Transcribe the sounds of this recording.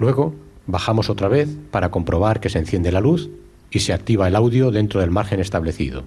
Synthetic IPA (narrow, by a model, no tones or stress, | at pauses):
lwe̞ɣ̞o̞ | baxamo̞so̞t̪ɾaβ̞e̞θpaɾako̞mpɾo̞β̞aɾkesenθje̞nd̪e̞laluθ | ise̞ak̚t̪iβ̞aelawðjoðe̞nt̪ɾoð̞e̞lmaɾxe̞ne̞st̪aβ̞le̞θḭð̞o̰